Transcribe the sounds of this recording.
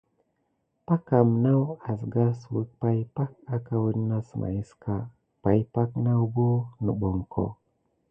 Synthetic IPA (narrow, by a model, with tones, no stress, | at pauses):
pa˦ka˨mna˦wa˨s̬ɡa˦swə˦k̚pa˦jpa˦k̚a˦ka˨wə˦dna˦smʔa̰˨ji˦ska˦˨ | pa˨jpa˦kna˦wbo˦nə˨ɓo˨ŋko̰˨